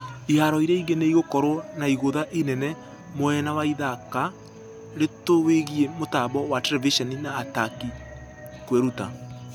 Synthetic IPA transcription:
ihaɾɔiɾɛiɡeneiɣokɔɾɔnaiɣoðaʔenɛnɛ | moɛnawaiðaka | ɾetoweɣiemotaβɔwatɛɾɛviʃɔninaːtaki | kweɾuta̰

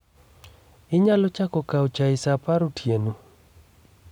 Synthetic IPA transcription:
ɪɲalɔt͡ʃakɔkaot͡ʃaɪsapaɾotʰjeno

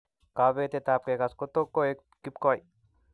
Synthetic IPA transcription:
kabet̪et̪ap̚kekaskot̪okːoek | kipkɔj

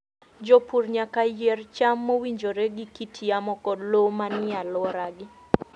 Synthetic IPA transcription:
d͡ʒopurɲakajɛrt͡ʃamːowiɲd͡ʒoɾeɡɪkitʰijamɔkɔdlomanɪalɔɾaɡɪ

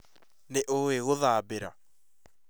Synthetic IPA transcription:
neʔoweɣoðaːbeɾa̰

